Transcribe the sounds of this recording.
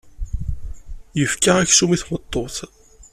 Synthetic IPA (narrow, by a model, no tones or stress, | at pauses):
jəfkaʁæçsumiθmət̪ˤːoθ